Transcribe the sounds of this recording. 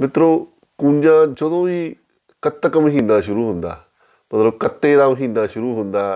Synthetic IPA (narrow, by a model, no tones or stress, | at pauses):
mẽt̪ɾo | kuɲãnt͡ʃoðõi | kat̪ːakamĩɦĩnãːʃuɾuhũnd̪a̰ | met̪ɾokat̪eðamə̃ɦĩnãʃuɾuhũnd̪a